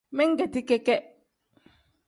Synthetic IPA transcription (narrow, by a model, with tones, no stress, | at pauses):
mɛ˦ŋ̩˦ɡɛ˨ti˦kɛ˦kɛ˦